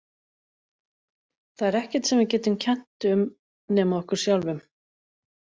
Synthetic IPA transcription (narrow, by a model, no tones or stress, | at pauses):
θaðɛɾɛhcɛ̥t̪sɛmvɪcɛːt̪ʏmcʰɛn̥t̪ʏm | nɛːmaɔhkʏɾ̥sjawlvʏm